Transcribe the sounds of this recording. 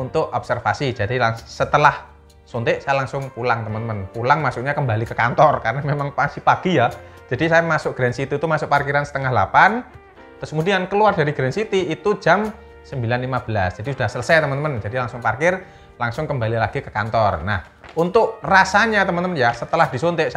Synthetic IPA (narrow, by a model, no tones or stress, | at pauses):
unt̪ʊk̚ɔp̚sərfasid͡ʒadilaŋssət̪əlah | sont̪ɪʔsajalaŋsʊŋpulaŋt̪əmənt̪əmənpulaŋmasʊʔɲakəmbalikəkant̪ɔrkarənamemaŋpasipaɡ̥ijahd͡ʒ̥adisajamasʊk̚ɡ̥ɾɛnsit̪uit̪umasʊk̚parkiɾansə̥t̪əŋahlapan | t̪ʊskəmudiankəluardaɾiɡɾɛnsit̪iːt̪ud͡ʒam | səmbilanlimab̥əlasd̥d͡ʒ̥adisud̥ahsələsajt̪əmənt̪əmənd͡ʒadilaŋsʊŋparkɪr | laŋsʊŋkəmbalilaɡ̥ikəkant̪ɔrna̰h | unt̪ʊʔrasaɲat̪əmənt̪əmənjasət̪əlahdisont̪eʔs